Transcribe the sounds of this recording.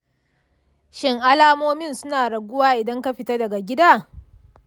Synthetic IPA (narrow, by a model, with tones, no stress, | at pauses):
ʃɪ˦ŋʔa˦laː˦moː˦mɪ˦˨nsʊ˦naː˨ɽɐ˨ɡʷʊ˦waː˦ʔɪ˨dɐ˦ŋka˦ɸɪ˨tɐ˦dɐ˨ɡa˨ɡʲɪ˦daː˦˨